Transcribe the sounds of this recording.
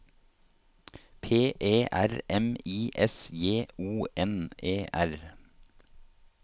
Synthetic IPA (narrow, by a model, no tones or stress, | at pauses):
pʰeːʔeːʔæɾɛmiːʔɛsjeːuːɛneːʔæɾ